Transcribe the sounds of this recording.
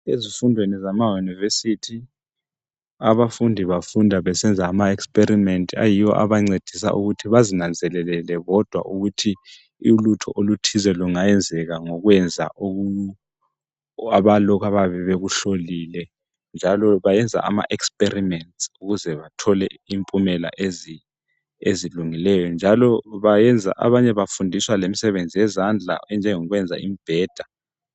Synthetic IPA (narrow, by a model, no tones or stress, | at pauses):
ezifundʱwenizamajunivesitʰi | aβafundʱiβafundʱaβɛsɛnd͡zʱaːmaɛkspʼeɾimɛntʼa̰jiwɔ̰ʔa̰βaŋ͡ǀed̥ʱis̬a̰ʔuɣutʰiβazinand͡zʱɛlɛlɛlɛɣɔd̥ʱwa̰ʔuɣutʰi | ulutʰɔ̰ʔolutʰizɛluŋajɛnd͡zʱɛɣaŋɔɣwɛnd͡zʱa̰ʔoɣu | aβalɔkʰaβaβɛβeɣuɬoliːlɛ | nd͡ʒʱalɔβajɛnd͡zʱa̰ʔa̰ma̰ʔɛkspʼerimɛntsuɣuzɛβatʰɔlɛimpʼumɛla̰ʔezi | eziluŋilɛjɔnd͡ʒʱalɔβajɛnd͡zʱa̰ʔa̰βaɲɛβafundʱiswalemisɛβend͡zʱijɛzand͡ɮʱa̰ɛnd͡ʒʱɛŋɔɣwɛnd͡zʱaimib̥ʱɛːd̥ʱa